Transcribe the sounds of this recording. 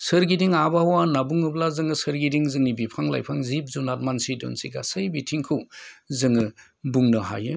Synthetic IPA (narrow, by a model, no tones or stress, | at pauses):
sɯɾɡidiŋabahwanabuŋɯblazɯŋɯsɯɾɡidiŋzɯŋibipʰaŋla̰jpʰaŋzip̚zunat̚mansidɔ̰nsiɡa̰sɯjbitʰiŋkʰɯwzɯŋɯ | buŋnɯɦa̰jɯ